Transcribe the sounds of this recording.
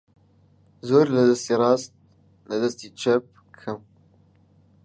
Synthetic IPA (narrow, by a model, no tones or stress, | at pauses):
zoːɾləd̪ɛst̪iːrɑːst̪̚ | ləd̪ɛst̪iːt͡ʃʰɛp̚ | kʰɨm